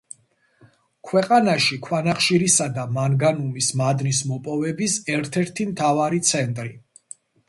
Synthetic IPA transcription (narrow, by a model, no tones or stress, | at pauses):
kʰwɛqʼanaʃikʰwanaχʃiɾisad̪amaŋɡanumismad̪nis̬mɔpʼɔvɛbisɛɾt̪ʰɛɾt̪ʰimt̪ʰavaɾit̪sʰɛnt̪ʼɾi